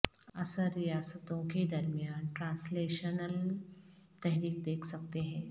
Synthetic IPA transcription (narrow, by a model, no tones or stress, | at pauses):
ɐsəɾːijaːsət̪õked̪ɐɾmijaːnʈɾãːnsleːʃənəl | t̪ɛɦɾiːk̚d̪eːkʰsɐk̚t̪eɦɛ̃ː